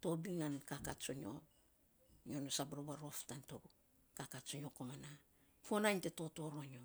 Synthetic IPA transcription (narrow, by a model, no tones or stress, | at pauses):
to̞biŋankakatt͡ʃoɲo | ɲonosabɾobaɾo̞ftanto | kakatsoɲo̞komana | fonajnteto̞to̞ɾo̞ɲo